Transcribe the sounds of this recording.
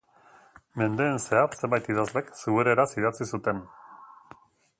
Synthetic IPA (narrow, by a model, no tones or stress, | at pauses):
me̞nd̪e̞ːnseatse̞mbajt̪iðazle̞ksuɣuɾeɾasiðat͡sisut̪e̞n